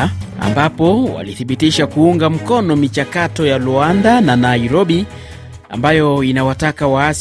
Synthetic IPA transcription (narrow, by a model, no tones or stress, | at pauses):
a̰mbapɔwa̰liθiɓitiʃakuuŋɡam̩kɔnɔmit͡ʃakatɔjaluandananaiɾɔɓi | a̰mbajɔinawatakawaas